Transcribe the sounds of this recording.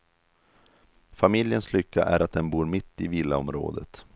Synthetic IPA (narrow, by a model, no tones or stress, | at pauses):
famɪljənslʏkːa̰ʔæɾat̪̚d̪ɛnbuːɾmɪt̪ːɪviːlːaɔmɾo̰ːd̪ə̰t̪